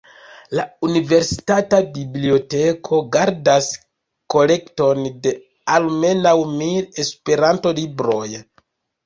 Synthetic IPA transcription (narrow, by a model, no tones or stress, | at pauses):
launive̞ɾsi̥tatabiblio̞te̞kʰo̞ɡaɾdas | ko̞le̞kto̞nde̞ | alme̞nawmile̞spe̞ɾanto̞libɾo̞j